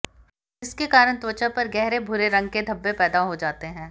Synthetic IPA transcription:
ɪskekaːɾəɽ̃t̪wət͡ʃəpɐɾɡɛɦɾebʱʊɾeɾɐ̃ŋɡ̚ked̪ʱɐbːepɛːd̪aɦod͡ʒaːt̪eɦɛ̃ː

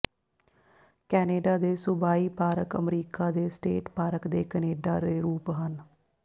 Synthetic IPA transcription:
kɛːneːɖaːd̪eːsʊbaːiːpaːɾəkəmɾiːkaːd̪eːsʈḛːʈpaːɾəkd̪eːkəneːɖa̰ːɾeːɾuːpɦən

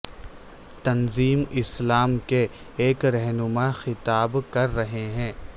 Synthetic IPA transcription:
t̪ɐnziːmɪslaːmke | eːkɾɛɦnʊmaxɪt̪aːbkɐɾːɐɦeɦɛ̃ː

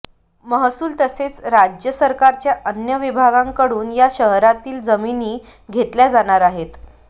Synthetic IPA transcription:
məɦsuːlt̪əset͡sɾad͡ʑjəsəɾkaɾt͡ɕjaʔənjəʋibʱaɡãŋkəɽuːnjaɕəɦɾat̪iːld͡zəminiː | ɡʱet̪ljad͡zaɽ̃aɾaɦet̪

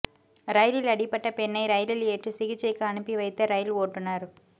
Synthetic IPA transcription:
ɾɐjlɪlɐɽɪpːɐʈːɐpɛnːɐɪɾɐjlɪleːʈrɯsɪɣɪt͡ʃːɐɪkːɯɐɳɯpːiʋɐɪt̪ːɐɾɐjɪloːʈːɯnaːɾ

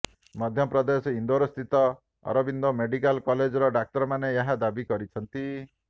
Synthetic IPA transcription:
mɔd̪ʱjɔpɾɔd̪esɔind̪oɾɔst̪ʰit̪ɔ | ɔ̰ɾɔbind̪omeɖikalkɔled͡ʒɔɾɔɖak̚tɔɾɔmanejaɦad̪abikɔɾit͡ʃʰɔnt̪i

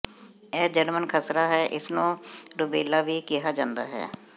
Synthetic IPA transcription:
ɛːd͡ʒəɾmənkʰəsɾaːɦɛːʔɪsnũːɾʊbeːlaːʋiːkɪɦaːd͡ʒãːnd̪aːɦɛ̰ː

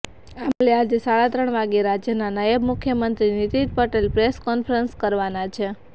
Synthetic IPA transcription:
amlead͡ʒesaɭat̪ɾəɳ̃ʋaɡeɾad͡ʒjənanajəbmukʰjəmənt̪ɾinit̪id̪̚pəʈelpɾeskɔnfʰɾənskəɾʋanat͡ʃʰe

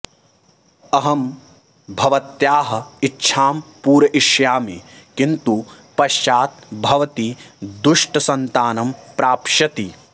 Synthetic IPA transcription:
ɐɦɐm | bʱɐʋɐt̪jaːɦɐ̆itːʃʰaːmpuːɾɐʔiʃjaːmikint̪upɐʃt͡ʃaːt̪̚bʱɐʋɐt̪id̪uʂʈɐsɐnt̪aːnɐmpɾaːpʃɐt̪i

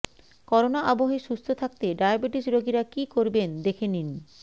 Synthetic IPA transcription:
kɔɾonaʔaboɦeʃust̪ʰot̪ʰak̚t̪eɖajabeʈisɾoɡiɾakikoɾbend̪ekʰenin

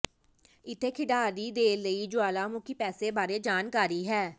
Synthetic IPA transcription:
ɪt̪ʰːeːkʰɪɖaːɾiːd̪eːləiːd͡ʒʊaːlaːmʊkʰiːpɛːseːbaːɾeːd͡ʒaːnkaːɾiːɦɛː

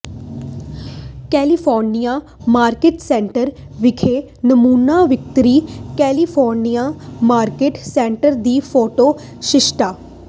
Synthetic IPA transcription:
kɛːlifʰɔːɾnija | maːɾkeːʈsẽːɳʈəɾʋɪkʰe | nɐmuːnaʋɪk̚t̪ɾiːkɛːlifʰɔːɾnijamaːɾkeːʈsẽːɳʈəɾd̪iːfoːʈoː | ʃɪʃʈaː

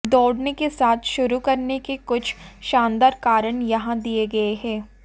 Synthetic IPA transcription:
d̪ɔːɽnekesaːt̪ʰʃʊɾukɐɾnekekʊt͡ʃʰʃãːnd̪aːɾkaːɾəɳ̃jɐɦãd̪ieɡɐeɦɛː

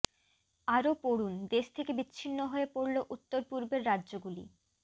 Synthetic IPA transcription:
aɾopoɽund̪eʃt̪ʰekebitːɕʰinːoɦoepoɾloʔut̪ːoɾpuɾbeɾːadːʑoɡulḭ

